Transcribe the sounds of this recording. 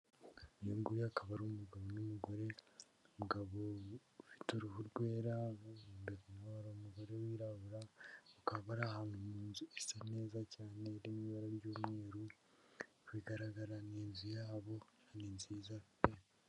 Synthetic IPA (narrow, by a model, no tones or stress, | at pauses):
juːŋɡujakaβaɾomuɡaβonumuɡo̞ɾe̞ | omuɡaβoufi̥tuɾuhuɾɡwe̞ːɾaudekanaaɾomuɡo̞ɾe̞wiːɾaβuɾaokaβaɾahanumuːnzue̥sene̞ːzacaːne̞ɾemiβaɾaɾɟoːmŋe̞ːɾu | kwiːɡaɾaɡaɾaneːnzijaːβo̞aninziːzafite